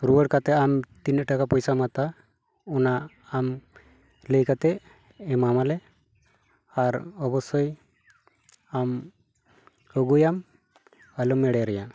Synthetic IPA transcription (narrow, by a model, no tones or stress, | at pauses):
ɾuwəɽkat̪ɛamt̪inəʈakapɔjsamat̪a | ɔnaː | m | ləjkat̪ɛ | ɛmamalɛ | aɾɔbɔsɔj | am | ɔɡujam | alumːɛɽɛɾɛja